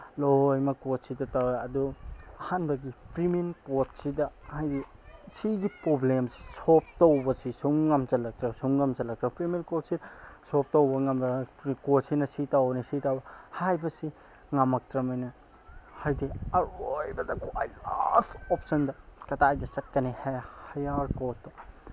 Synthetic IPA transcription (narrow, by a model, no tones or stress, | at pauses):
lojmɐkot̚sidɐtawɐduɐhanbɐɡipɾiminkot̚sidɐhajdi | siɡipɾoblemsi̥sop̚towbɐsisuŋːɐmzɐlɐk̚tɾɐsuŋːɐmzɐlɐk̚tɾɐpɾimenkot̚sidɐsop̚towbɐŋɐmɐɾikotsinɐsitawbɐnisitawbɐhajbɐsi | ŋɐmɐk̚tɾɐmɐjnɐ | hajdiɐɾojbɐdɐkwa̰jla̰sɔpsɐndɐkɐtajdɐsɐt̚kːɐnihahɐjaɾkotdɐ